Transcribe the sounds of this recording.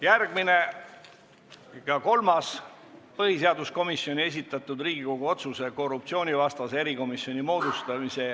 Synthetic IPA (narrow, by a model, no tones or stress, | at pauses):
jærɡ̥mine̞ | kɑko̞lmɑs | pɤɦise̞ɑd̪usko̞misjo̞nʲie̞s̬ʲit̪ːˑɑt̪ːˑud̪riːɡ̥iko̞ɡ̥uo̞t̪suse̞ko̞rupt̪sio̞ːnʲivɑst̪ɑsee̞ɾiko̞misjo̞nʲimo̞ːd̪ust̪ɑmise̞